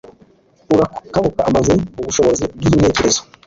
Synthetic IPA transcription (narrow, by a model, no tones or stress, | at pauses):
uɾakaβukaʔamazimuβuʃo̞βo̞zibɡin̥e̞ːce̞ɾe̞zo